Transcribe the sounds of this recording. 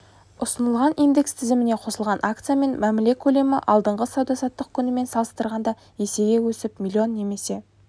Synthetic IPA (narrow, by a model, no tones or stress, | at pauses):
ʊsənəlˠʁɑnijnd̪e̞kst̪ʰɪzɪmɪne̞qʰo̞səlˠʁɑnʔakt̪sɨjame̞nmæmɪle̞kʲʰɵle̞mɪʔɑlˠd̪əɴʁəsɑwd̪ɑsɑt̪ːəq̚kʲʰʏnɪme̞nsɑlˠəst̪əɾʁɑnd̪ɑ | je̞se̞ɡʲewɵsɪpmilʲˠio̞nːe̞me̞se̞